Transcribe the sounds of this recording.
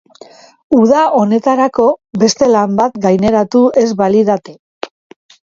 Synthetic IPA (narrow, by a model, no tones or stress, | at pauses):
uðaʔo̞ne̞t̪aɾako̞be̞st̪e̞lambat̪ɡajne̞ɾat̪ue̞zβaliðat̪e